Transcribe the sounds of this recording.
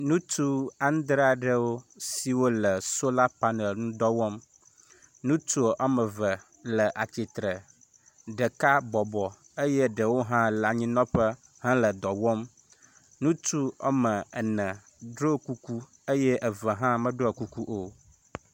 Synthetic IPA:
nũ˦t̪u˦a˦ñ˦d̪ɾa˦˨ɖə˦wo˦si˨wo˦lə˨so˦la˦pa˦ne˨lnũ˦d̪ɔ˦wɔ˦m | nũ˦t̪u˦o˨ʔa˦mə̃˨və˨ | lə˨ʔa˨t͡ʃi˨t̪ɾə˨ | ɖə˨ka˦bɔ˨bɔ˨ | e˦jɛ˦ɖə˨wo˦ɦã˦la˨ɲĩ˦nɔ̃˦ɸə˦ | hã˦lə˨d̪ɔ˨wɔ˦m | nũ˦t̪u˦ɔ̰˦mə̃˨ɛ˨nə̃˨ | ɖɾo˦ku˦ku˦ | e˦jɛ˦ʔɛ˨və˨ɦã˦mə̃˦ɖo˦ə˨ku˦ku˦ʔo˦

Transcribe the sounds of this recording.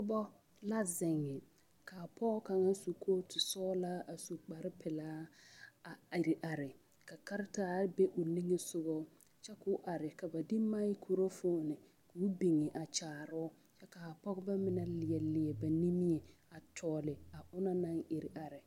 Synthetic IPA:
ʊ˦bɔ˦ | la˦zɪ˨ŋːɛ˨ | ka˨pʰɔ˦ɣka˨ŋa˦su˨kʰo˦tɪ˨sɔː˦la˦a˨so˨k͡pa˨ɾɪ˦pɪ˨laː˦a˨ɪ˨ɾɪ˨ʔa˨ɾɪ˨ | ka˨ka˦ɾɪ˦taː˦be˦ʔʊ˨ni˦ŋe˦sʊ˦ɣɔ˦ | t͡ʃɛ˦kʊ˦ʔa˨ɾɪ˨ka˨ba˨dɪ˦ma˦i˦kʰu˨ɾo˦fʊː˦nɪ˨ | ʊ˦bi˨ŋɛ˨ʔa˨t͡ʃaː˨ɾɔ˦ | t͡ʃɛ˦ka˨a˨pɔ˦ɣʊ˦ba˦mɪ˦na˨lɪ˨ɛ˨lɪ˨ɛ˨ba˨ni˦mi˦ɛ˨a˨tʰɔː˨lɪ˨a˨ʔʊ˦na˦na˦ŋɪ˨ɾɪ˨ʔa˨ɾɪ˨

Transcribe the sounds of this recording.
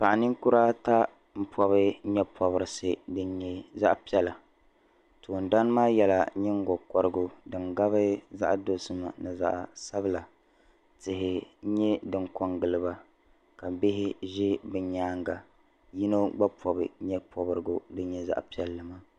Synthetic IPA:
pa˨ʔa˨nɨ˦ŋku˦ɾa˦ta˦ | m̩˦pʰɔ˦bɨ˦ɲɛ˦pʰɔ˨βɨ˨˦ɾɨ˨sɨ˨dɨ˦ɲ˦ɲɛ˨za̰˦ʔpi˦ɛ˦la˨ | tʰoː˨n˨da˦n˦maː˦jɛ˨la̰˨ɲɪ˦ŋ˦ɡɔ˨kɔ˨ɾɨ˦ɡʊ˨dɨ˨ŋɡa˦βɨ˦za̰˦ʔdo˨sɨ˦ma̰˨nɨ˨za̰˦ʔsa˦bɨ˦la˨ | tɪ˨hɪ˨˦ɲɛ˦dɨ˨ŋkɔ˨ŋɡɨ˨lɨ˦ba˨ | ka˨bɪ˦ɦɪ˦ʒɪ˦bɨ˨ɲaː˦ŋɡa˨ | ji˦no˦ɡ͡ba˦pʰɔ˨bɨ˨˦ɲɛ˦pʰɔ˨bɨ˨ɾɨ˦ɡo˨dɨ˦ɲɛ˦za̰˦ʔpi˦ɛ˨lːɨ˨ma˦

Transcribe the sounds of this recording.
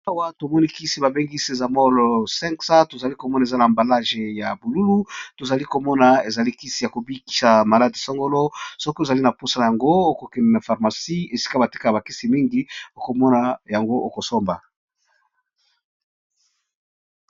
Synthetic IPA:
a˦wa˦to˨mɔ˦ni˦ki˦si˦ba˨be˦ŋɡi˦si˦e˨za˨mɔ˦lo˨sɛ˦ŋksa˦to˨za˨li˦ko˨mɔ˦na˨e˨za˦naː˨mba˨la˦ʒe˨ja˨bu˨lu˦lu˦to˨za˨li˦ko˨mɔ˦na˨e˨za˨li˦ki˦si˦ja˨ko˨bi˦ki̥˨sa˨ma˨la˦di˨sɔ˦ŋɡo˦lo˦sɔ˦ke˨za˨li˦na˨po˦sa˨na˨ja˨ŋɡo˦o˦ko˨kɛ˨mɛ˨na˨fa˨ʁma˨si˦e˨si̥˦ka˦ba˨ti̥˦ka˦jba˨ki˦si˨mi˦ŋɡi˦o˦ko˨mɔ˦na˨ja˨ŋɡo˦ʔo˨ko˨so˦mba˨

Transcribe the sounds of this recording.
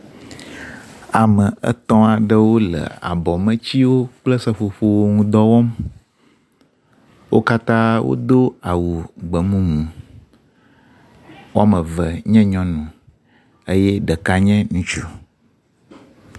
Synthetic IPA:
a˨mə̃˨ʔə̰˦t̪ɔ̃˦a˨ɖə˦wo˦lə̰˨a̰˨bɔ˨mə̃˦t͡ɕi˦wo˦k͡plə˦sə˦fo˨ɸo˦wo˦ŋũ˦d̪ɔ˦wɔ˦m | wʔo˦ka˦t̪ã˦wo̰˦d̪o˦a˨wu˨ɡ͡bə˨mũ˦mũ˨ | wo˦a˦mə̃˨və˨ɲɛ̃˦ɲɔ̃˦nũ˨ | ə˦jɛ˦ɖə˨ka˦ɲɛ̃˦nũ˦t͡ʃu˨

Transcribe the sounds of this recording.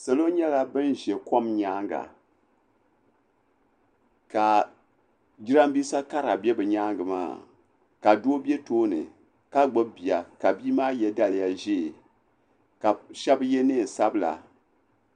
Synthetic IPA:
sa˨lo˦ɲɛ˦la˨bɨ˦nʒɛ˨ko˦mɲaː˦ŋɡa̰˨ | ka˨ | ɡi˦ɾa˦m˦biː˦sa˦ka˦ɾa˨bɛ˦bɨ˨ɲaː˦ŋɡɨ˨ma̰ː˦˨ | ka˨doː˦bi˦ɛ˦toː˦nɨ̰˨ | ka˦ɡ͡bo˦bi˨a˨ka˨biː˦maː˦jɛ˦da˦lja˦ʒe˦˨ | ka˨ʃɛ˦bjɛ˦ne˦˨sa˦bɨ˦la̰˨

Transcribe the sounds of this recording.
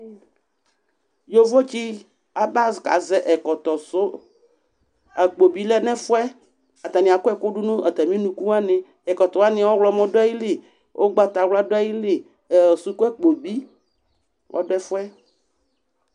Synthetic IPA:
jo˦vo˦t͡ɕi˦ | a˨ba˦ska̰˨zɛ˦ʔɛ˨kɔ˨t̪ɔ˨so˦ | a˨k͡po˨bi˦lɛ˦nɛ̃˦fo˦ɛ˦ | a˨t̪a˨nĩ˨a˨ko˦ɛ˦ko˦ɖu˦nũ˦ɛ˨t̪ɛ˨mĩ˦nũ˦ku˦a˦nẽ˦ | ɛ˨kɔ˨t̪ɔ˨a˦nĩ˦˨˦wɔ˦wlɔ˦mɔ̃˦ɖo˦a˦ji˦le˨ | wʔo˦ɡ͡ba˦t̪a˨wla˦do˦a˦ji˦le˨ | su˦ko˦ɛ˦k͡po˨bi˦ | wʔɔ̰˦do˦ɛ˦fo˦ɛ˦

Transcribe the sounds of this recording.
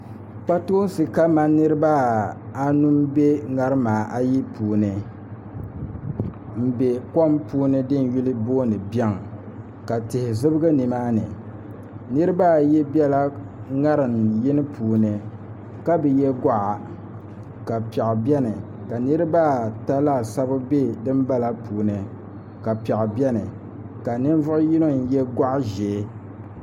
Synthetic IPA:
k͡pa˦toː˦n˦sɨ˨ka˦ma˦nɨ˦ɾɨ˦ba˦a˦nu˦mbe˦ŋa˨ɾɨ˦maː˨ʔa˦ji˦puː˨nɨ˨ | m̩˦˨be˨kɔ˦mpuː˦nɨ˦dɨ˦n˨˦ju˦lɨ˦boː˦nɨ˨bjɛ˦ŋ˨ | ka˨tɪ˨hɪ˨zɨ˦bɨ˦ɡɨ˦nɨ˨maː˦nɨ̰˨ | nɨ˦ɾɨ˦baː˦˨jɛ˦bɛ˦la˦ŋa˦ɾɨ˨mji˦nɨ˦pʰuː˨nɨ˨ | ka˦bɛ˨jɛ˦ɡa˦ʔa˨ | ka˨pɛ˨ʔbɛ˦nɨ˨ | ka˨nɨ˦ɾɨ˦baː˦˨ta˦la˦˨sa˦bʊ˦be˦dɨ˦mba˦la˦pʰuː˨nɨ˨ | ka˨pɛ˨ʔbɛ˦nɨ˨ | ka˨nɨ˦n˦vʊ˦ʔʊ˦ji˦no˦n̩˨jɛ˦ɡa˦ʔʒe˨˦

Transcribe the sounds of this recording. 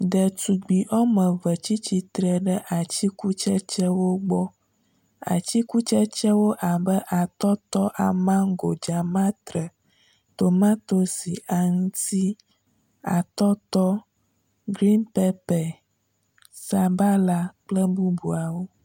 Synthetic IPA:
ɖɛ˨t̪u˨ɡ͡bi˨ʔɔ˦mə̃˨və˨t͡ɕi˦t͡ɕi˨t̪ɾɛ˨ɖə˦ʔa˨t͡ɕi˦ku˦t͡ʃɛ˦t͡ʃɛ˦wo˦ɡ͡bɔ˦ | a̰˨t͡ɕi˦ku˦t͡ʃɛ˦t͡ʃɛ˦wo˦ʔa˨bə˦ʔa˨t̪ɔ˦t̪ɔ˦ʔa̰˨mã˦ŋ˦ɡo˨d͡ʒa˨mã˦t̪ɾə˨ | t̪o˨mã˦t̪o˦si˨a˨ŋũ˦t̪i˦ | a˨t̪ɔ˦t̪ɔ˦ | ɡɾi˦npɛ˦pɛ˨ | sa˨ba˦la˦k͡plə˦bu˦bu˨a˨wo˦

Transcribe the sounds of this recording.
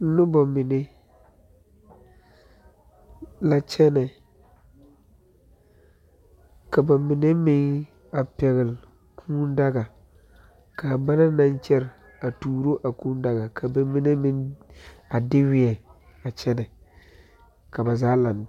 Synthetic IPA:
nʊ˦ba˨mɪ˨ne˦ | la˨t͡ʃɛ˦nɛ˨ | ka˨ba˨mɪ˨ne˦mɪ˦ŋ | a˨pɛ˨ɣɪ˨l | kʰũː˦n˦da˦ɡa˨ | ka˨ba˦na˦nã˦nt͡ʃɛ˦ɾ | a˨tuː˨ɾo˦ʔa˨kũː˦n˦da˦ɡa˨kʰa˨ba˨mɪ˦ne˦mɪ˦n | a˨dɪ˦wɪ˦ɛ˨ | a˨t͡ʃɛ˦nɛ˨ | ka˨ba˨zaː˦la˨n˨

